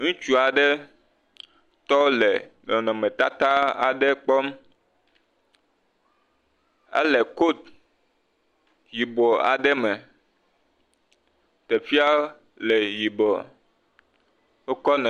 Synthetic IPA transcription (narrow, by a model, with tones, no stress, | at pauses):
ŋũ˦t͡ʃu˦a˨ɖe˦ | t̪ɔ˦le˨nɔ˨nɔ̃˨mẽ˨t̪a˦t̪a˦a˨ɖe˦k͡pɔ˦m | a̰˦le˨ko˦t̪̚ | ji˨bɔ˨a̰˨ɖe˦mɛ̃˨ | t̪e˨fi˦a˦ | le˨ji˨bɔ˨ | o˦kɔ˦nɛ̃˨